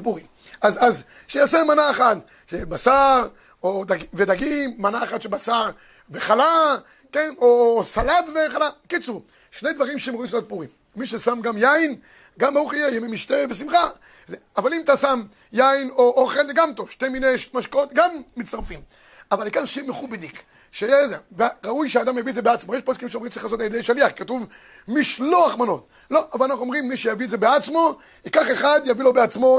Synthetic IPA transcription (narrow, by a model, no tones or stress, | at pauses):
kbuʁim | azaz | ʃejaseʁmanaeχat̪ | ʃebasaʁ | od̪aɡived̪aɡimːanaeχat̪ʃebasaʁ | veχala | kenosalad̪veχalakit͡su | ʃnejd̪vaʁimʃeemoislak̚buʁimːiʃesamɡamjain | ɡamauχijejemimiʃt̪evesimχa | zeavalimat̪asam | jaino̞ʔoχe̞lzeɡamt̪ovʃteminejʃmaʃkaot̪ɡamːit͡st̪aʁfim | avalikanʃemeχubed̪ik | ʃejezeveʁaujʃead̪amjaviezebeat͡smojeʃposkimʃeomʁimt̪t͡siχlaːso̞t̪̬aljed̪ejʃaliaχkatuv | miʃloaχmano̞t̪̚ | lo̞ʔavalanaχnuomʁimːiʃejaviezebeat͡smo̞ | ikaχeχad̪javilo̞beat͡smo̞